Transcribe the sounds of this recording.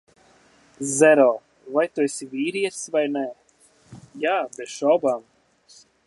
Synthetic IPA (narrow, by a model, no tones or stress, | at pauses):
zɛɾɔː | vajt̪uesʲivʲiːɾiɛsvajnɛ | jaːbɛt̪ʃɔwbam